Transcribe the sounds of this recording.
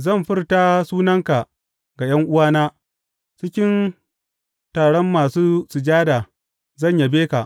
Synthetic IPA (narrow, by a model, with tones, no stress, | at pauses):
zɐ˦˨mɸɪ˦rta˦suː˦nɐ˦ŋka˨ʔ | ɡa˨j̰ɐ˦ŋʔʊ˦waː˦naː˦ | t͡ʃɪ˦kʲɪ˦n | taː˨ɽɔ˦mːaː˨suː˦sɪ˨d͡ʒaː˦da˨ | zɐ˦˨ɲja˨beː˦ka˨ʔ